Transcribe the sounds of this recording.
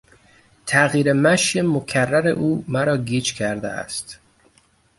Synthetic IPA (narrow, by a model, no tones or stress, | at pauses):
t̪ʰæɣiːɾemæʃjemokʰærːæɾḛʔuːmæɾɒːɡiːt͡ʃkʲʰæɾd̪ḛæ̰st̪